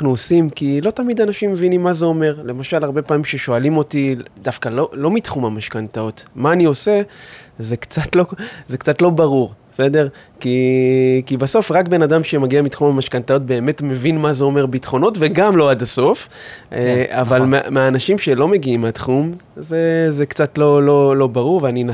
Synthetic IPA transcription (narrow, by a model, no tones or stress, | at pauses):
naχnuosimkilo̞tamid̪anaʃimːevinimːazeo̞me̞ʁle̞maʃalaʁbe̞paːmimʃeʃo̞alimo̞tidafkalolo̞mitχumhamaʃkantaotmaːnio̞se̞zekt͡satlo̞zekt͡satlo̞baʁuʁ | se̞de̞ʁkikibaso̞fʁakbe̞nadamʃe̞maɡiamitχumamaʃkantao̞tbe̞ːme̞tme̞vinmazeo̞me̞ʁbitχo̞no̞tve̞ɡamlo̞adaso̞f | avalmemeaːnaʃimʃe̞lo̞me̞ɡiimeatχum | zezekt͡satlo̞lo̞lo̞baʁuʁveanina